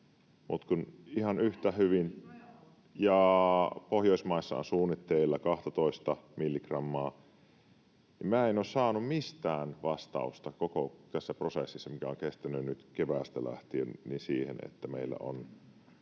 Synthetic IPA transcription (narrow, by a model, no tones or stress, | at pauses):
mut̪kunihɑnyht̪æhyʋin | jɑpohjoˑismɑˑisːɑ̰o̰nsuːnːit̪ːeilːɑkɑht̪ɑt̪oist̪ɑmilːikrɑmːɑː | imæːenoːssɑːnummist̪æːnʋɑst̪ɑ̰ust̪ɑkokot̪æsːæprosḛsːisːɑmikæoŋkest̪ænːynyt̪keʋæˑst̪ælæ̰ht̪ienninsiːhḛnḛt̪ːæmḛilːæ̰o̰n